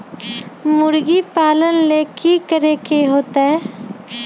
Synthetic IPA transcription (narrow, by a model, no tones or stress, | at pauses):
mʊɾɡipaːlənleːkikəɾeːkeɦoːt̪aɦɛː